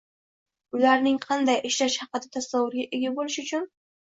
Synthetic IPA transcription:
ʊlaɾnɪŋqʰɑnd̪ajʔɪʃlaʃhɑqɨd̪at̪ʰasawːʊɾɡʲaʔeɡʲabolɪʃʊt͡ʃʰʊn

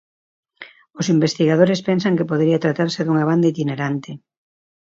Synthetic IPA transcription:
osimbest̪iɣaðoɾespensaŋkepoð̞ɾiat̪ɾat̪aɾseðuŋaβ̞and̪ait̪ineɾant̪ɪ

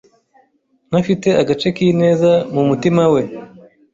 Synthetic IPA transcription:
n̥afite̞aɡat͡ʃe̞kine̞ːzamumutimawe̞

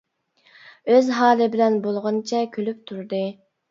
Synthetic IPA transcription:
øzɦɑːlˠɨbɪlɛnbolˠʁɑnt͡ʃʰɛkʲʰølyp̚t̪ʰuɾd̪ɨ

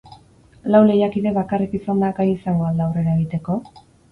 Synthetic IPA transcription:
lawle̞jakiðe̞βakarikisand̪akajisaŋɡo̞ald̪aːwre̞ɾae̞ɣit̪e̞ko̞

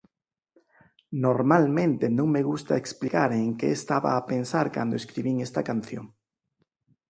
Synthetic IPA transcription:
noɾmalmẽnt̪enõŋmeɣust̪a̰eksplikaɾeŋkeest̪aβa̰ːpensaɾka̰nd̪oeskɾiβ̞iŋest̪akan̟θjoŋ

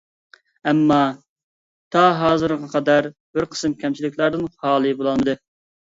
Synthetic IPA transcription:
ɛmːɑ | t̪ʰɑɦɑːzɨɾʁɑqʰɑd̪æɾ | b̥ɪɾqʰə̥sɨmkʲʰɛmt͡ʃʰilɪkʲʰlˠæɾd̪ɨnχɑːlˠɨbolˠɑlˠmɨd̪ɨ

